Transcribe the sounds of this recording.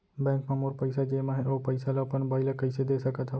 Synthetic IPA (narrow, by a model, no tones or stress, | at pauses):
bɛ̃ːŋkmãmoɾpəɪsad͡ʒeːmãɦɛopɐɪsalapənbaːɪlakəɪsed̪esəkət̪ɦa